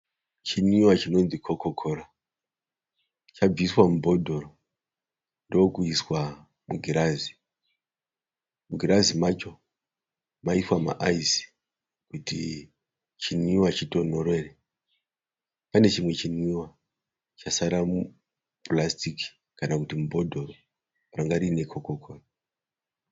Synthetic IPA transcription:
t͡ʃiniwat͡ʃino̞nd͡zikʰokokʰo̞ɾa | t͡ʃab͡viswamubʱo̞dʱo̞ɾo | ndookuiswa | muɡʱiɾazi | muɡʱiɾazimat͡ʃo̞ | maiswama̰ʔaisi̥ | kutḭ | t͡ʃiniwat͡ʃito̞noɾwe̞re | pane̞t͡ʃimwe̞t͡ʃiniwa | t͡ʃasaɾamu | plastiki̥ | kanakutimubʱo̞dʱo̞ro | raŋɡaɾine̞kʰokokʰon

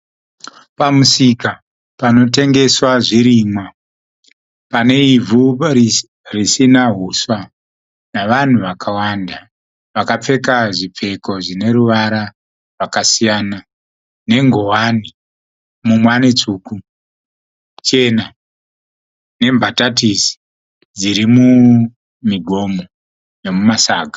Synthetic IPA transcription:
pamusika | pano̞te̞ŋɡe̞swaʐiɾimwa | pane̞ivʱu | risinaɦuswa | naʋan̤uʋakʰawanda | ʋakap͡fe̞kaʐip͡fe̞ko̞ʐine̞ɾuʋaɾa | rwakasijana | ne̞ŋɡo̞wani | mumwanit͡suːku | t͡ʃe̞na | ne̞mbʱatatisi̥ | d͡ziɾimu | miɡʱo̞mo | ne̞mumasaːɡʱḁ

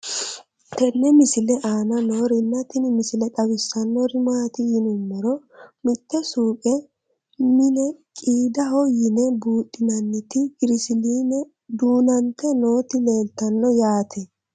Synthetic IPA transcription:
t̪ɛnːɛmɪsɪlɛʔaːnɐno̞ːɾɪnːɐt̪ɪnɪmɪsɪlɛt̪ʼɐwɪsːɐnːɔɾɪmaːt̪ɪjɪnʊmːɛɾɔ | mɪt̪ːɛsuːkʼɛ | mɪnɛkʼiːd̪ɐɦɔjɪnɛbuːt̪ʼːɪnɐnːɪt̪ɪɡɪɾɪsɪliːnɛ | d̪uːnɐnt̪ːɛno̞ːt̪ɪle̞ːlt̪ɐnːɔjaːt̪ʰɛ

